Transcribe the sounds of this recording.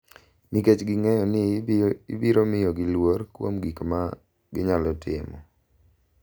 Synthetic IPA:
miket͡ʃɡɪŋɛjɔnɪibiɾomɪjɔɡɪlworkwo̰mɡikma | ɡɪɲalɔtɪmɔ̰

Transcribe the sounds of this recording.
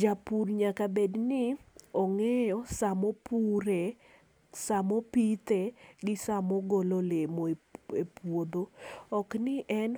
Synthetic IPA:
d͡ʒapurɲakabednɪɔŋɛjɔsamɔpuɾe | samopit̪eɡɪsamoɡololemoeepwod̪oɔknɪʔɛn

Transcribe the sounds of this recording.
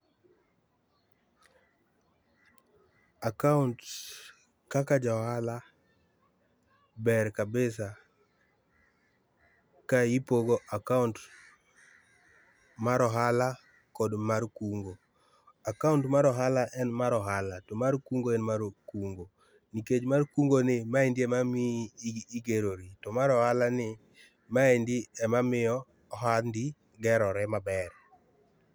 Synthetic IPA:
akaunt | kakad͡ʒahala | bɛɾkabɪsa | kajipoɡoʔakaunt | maɾɔɦala | kɔdmarkuŋɡo | akauntmaɾɔɦalaʔɛnmaɾɔɦalatɔmarkuŋɡoɛnmaɾokuŋɡo | niked͡ʒmarkuŋɡonɪmaendiɛmamiːɡeɾoɾitɔmaɾɔhalanɪ | maendiɛmamɪɔ | ɦandi | ɡɛɾɔɾɛmabɛr

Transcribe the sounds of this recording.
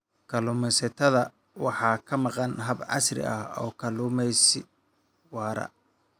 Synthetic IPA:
kʰɐlʊːmɛsɐt̪ʰɐðɐ | wɑħɑːkʰɐmɑqɑnɦɐbʕɑ̰srɪ̰ɐhɔːkʰɐluːmɛjsɪ | wɑːɾɐ̰

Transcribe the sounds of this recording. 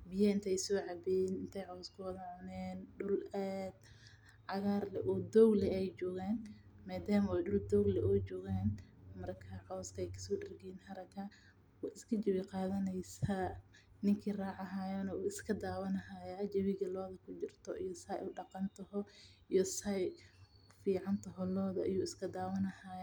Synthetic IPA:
bɪjɐɪnt̪ʰɛjsɔːʕɑbinɪnt̪ʰɛjʕɔːskʰɔðɐʕʊnɛːnɖʊlɛd̪ | ʕɑɣaːrlɛʔuːd̪ɔɡlɛɛjt͡ʃɔːɣaːn | maːd̪aːmɐwɛjɖʊld̪ɔɡlɛʔɔːt͡ʃɔːɣaːnmɐrkʰɐʕɔːskʰɐɛjkʰɐ̥sɔːdɐrɡinhɐɾɐkʰa | wɑʔɪskʰɐt͡ʃɐwɪqɑːðɐnɛjsa | nɪŋkʰiːraːʕɑɦaːjɔnɐuːɪskʰɐd̪aːwɐnɐɦaːjaːd͡ʒɐβɪɣɐlɔːðɐkʰʊt͡ʃɪrt̪ʰɔʔijɔsɐjʊɖɑqɑnt̪ʰɔhɔijɔsɐj | fiːʕɑnt̪ʰɐɦɔlɔːðɐʔɪ̰juːɪskʰɐd̪aːwɐnɐhaːj

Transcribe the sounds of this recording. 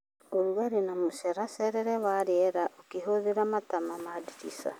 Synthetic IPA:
oɾuaɾenamusɛɾasɛɾɛɾɛwaɾeɛɾaʔokeɦoðeɾamatamamadiɾisa̰

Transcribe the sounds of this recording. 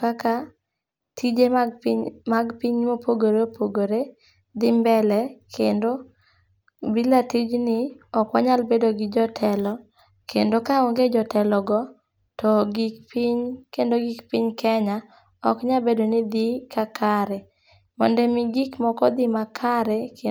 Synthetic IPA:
kaka | tʰid͡ʒe | maɡpiɲmopʰoɡoɾeopʰoɡoɾe | d̪ɪmbɛlɛkʰendo | bilatid͡ʒnɪɔkwaɲalbedoɡɪd͡ʒɔtʰɛlɔ | kendokaoŋɡed͡ʒɔtɛlɔɡɔ | tʰɔɡikpiɲkendoɡikpiɲkʰɛɲa | ɔkɲabedonɪd̪ikakʰaɾɛ | mɔ̰ndɛmɪɡikmɔkɔd̪ɪmakʰaɾɛke

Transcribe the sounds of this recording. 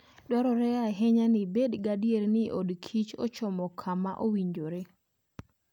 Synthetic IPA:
dɔɾɔɾɛaɦɛɲanɪbedɡadijeɾnɪʔodkʰit͡ʃo̰t͡ʃɔmɔkʰama̰ʔowiɲd͡ʒoɾe

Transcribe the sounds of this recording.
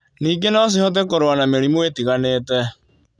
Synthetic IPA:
niːɡenɔs̬ihɔt̬ɛkoɾoanameɾimowetiɣaneːtɛ

